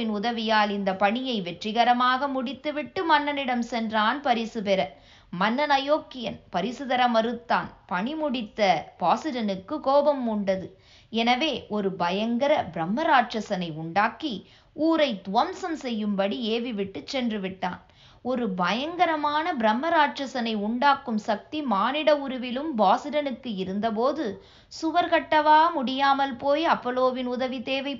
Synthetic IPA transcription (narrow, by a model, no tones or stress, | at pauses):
ɪnʊðɐʋɪjaːlɪnd̪ɐpɐɳɪjɐɪʋɛʈrɪɣɐɾɐmaːɣɐmʊɽɪt̪ːɯʋɪʈːɯmɐnːɐnɪɽɐmsɛndraːnpɐɾɪsɯpɛɾɐ | mɐnːɐnɐjoːkːɪjɐnpɐɾɪsɯðɐɾɐmɐɾɯt̪ːaːnpɐɳimʊɽɪt̪ːɐpaːsɯɾɐnɯkːɯkoːbɐmʊɳɖɐðɯ | ɛnɐʋeːʔɔɾɯbɐjɐŋɡɐɾɐbɪɾɐmːɐɾaːʈrɐsɐnɐɪʊɳɖaːki | uːɾɐɪt̪ʊʋɐmsɐmsɛjːɯmbɐɽieːʋiʋɪʈːɯt͡ʃːɛndrɯʋɪʈːa̰ːn | ɔɾɯbɐjɐŋɡɐɾɐmaːnɐbɪɾɐmːɐɾaːʈt͡ʃɐsɐnɐɪʊɳɖaːkːɯmsɐk̚t̪imaːnɪɽɐʊɾɯʋɪlɯmbaːsɪɾɐnɯkːɯɪɾɯnd̪ɐp̬oːðɯ | sʊʋɐɾkɐʈːɐʋaːɐmʊɽɪjaːmɐlpoːjɐpːɔloːʋɪnʊðɐʋit̪eːʋɐɪ